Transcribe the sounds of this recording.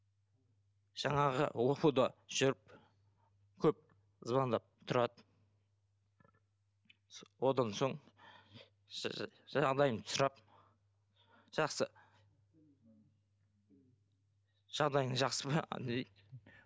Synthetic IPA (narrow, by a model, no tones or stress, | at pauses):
ʒ̥ɑɴɑʁə̰lˠopud̪ɑʒ̥ʏɾɪp̚ | kʲʰɵp̚ | əzbɑnd̪ɑp̚t̪ʰʊɾɑd̪ə | wo̞d̪ɑnso̞ɴ | ʒɑʁd̪ɑjəmt̪ʰʊ̥sɾɑp̚ | ʒ̥ɑqsə | ʒ̥ɑʁd̪ɑj̪əɴʒɑqsəbɑ̰nej̪